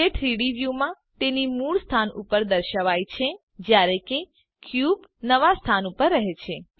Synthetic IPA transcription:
eʈɾiɽiʋjumã | t̪enimuɭst̪ʰanupəɾd̪əɾʃəʋajt͡ʃʰe | d͡ʒjaɾeke | kʰjubnəʋast̪ʰanupəɾːəɦet͡ʃʰe

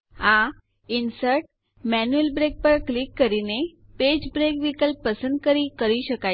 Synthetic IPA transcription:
ã | insəɾʈ̚ | mænuelbɾek̚pəɾklikːəɾine | ped͡ʑbɾekʋikəlpəsənd̪kəɾiːkəɾiɕəka

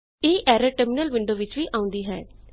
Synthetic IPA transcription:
eːʔɛːɾəʈəɾmɪnəlʋɪ̃ɳɖoːʋɪt͡ʃʋiːʔãːʊ̃nd̪iːɦɛː

